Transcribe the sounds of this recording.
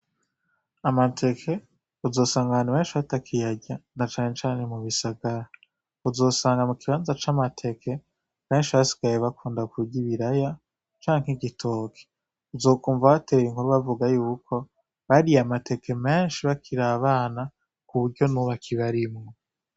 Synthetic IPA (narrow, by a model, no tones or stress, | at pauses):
amatʰe̞kʰe̞ | uzo̞ːsaːŋɡaanime̞ːnʃiβatakijaɟanat͡ʃaːne̞t͡ʃaːne̞muβisaɡaɾa | uzo̞ːsaːŋɡamukiβaːnzat͡ʃamatʰe̞kʰe̞ | me̞ːnʃiβasi̥ɡajeβakʰuːndakuɟiβiɾaja | t͡ʃaːŋ̥iɟitʰo̞ːkʰe̥ | uzo̞ːkuːɱvaβateɾjiŋhuɾuβavuɡajuːko̞ | βaɾijamate̞ke̞me̞ːnʃiβakʰiɾaβaːna | kuβuɾɟo̞nuβakʰiβaɾimŋo